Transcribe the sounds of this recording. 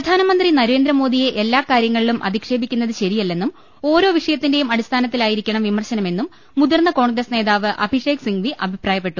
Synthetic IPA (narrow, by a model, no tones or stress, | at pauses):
pɾɐd̪ʱaːnɐmɐnd̪rinɐɾe̞ːnd̪ɾɐmo̞ːd̪ije̞ʔelːaːkaːɾjɐŋːɐɭilumʔɐ̰d̪ikʂe̞ːbikʲːunːɐðɨɕɐɾijɐlːe̞nːum | o̞ːɾo̞ːʋiʂɐjɐt̪ːinde̞jumɐɽist̪ʰaːnɐt̪ːilaːjiɾikʲːɐɳɐmʋimɐrɕɐnɐme̞nːumː | uðɐrnːɐko̞ːɳɡrɐsne̞ːðaːʋɨʔɐ̰bʱiʂe̞ːksiŋɡʋiʔɐbʱipraːjɐpːe̞ʈːu